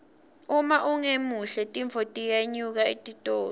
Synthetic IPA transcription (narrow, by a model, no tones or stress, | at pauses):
umaʔuŋemuɬɛtʼiɱvʱɔtʼijaɲuk̬aitʼitʼoː